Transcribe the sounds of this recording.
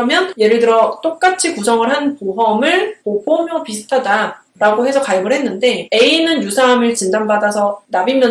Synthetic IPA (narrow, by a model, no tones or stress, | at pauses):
ʌmjʌnje̞ɾɯɭdɯɾʌt͈ok̚k͈at͡ɕʰikusʰʌŋɯɭɦanpuɦʌmɯɭpopʰomjʌpisʰɯ̥tʰada | ɾaɡoɦe̞sʰʌkajʌɡɯɭɦe̞nːɯnde̞e̞inɯnjusʰaːmɯɭt͡ɕindambadasʰʌnabimjʌ